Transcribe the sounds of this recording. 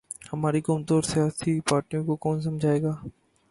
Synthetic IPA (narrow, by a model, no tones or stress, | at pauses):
hɐmaːɾikɔːmt̪ɔːɾsijaːsipaːɾʈijõkokɔːns̬ɐ̃md͡ʒʱaːeːɡaː